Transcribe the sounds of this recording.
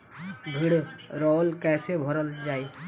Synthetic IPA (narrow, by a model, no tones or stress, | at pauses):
bʱiɽɾɔːlkɛːsebʱɔɾəld͡ʒaːi